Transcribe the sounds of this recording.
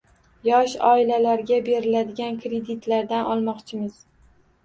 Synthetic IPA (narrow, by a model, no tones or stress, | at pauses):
jɒʃɒɪlalaɾɡʲabe̞ɾɪlad̪ɪɡʲankɾe̞d̪ɪt̪laɾd̪anɒlˠmɒqt͡ʃʰɪmɪz̥